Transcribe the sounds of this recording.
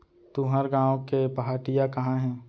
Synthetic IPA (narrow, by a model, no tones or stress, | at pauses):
t̪uɦəɾɡãːõkepɐɦaːʈɪjakɐɦãɦɛ̃ː